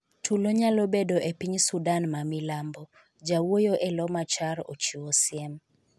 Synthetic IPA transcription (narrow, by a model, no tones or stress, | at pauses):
tʰuloɲalobedoʔepiɲsudanmamilambɔ | d͡ʒawojoʔelɔmat͡ʃaɾot͡ʃiwosɪɛm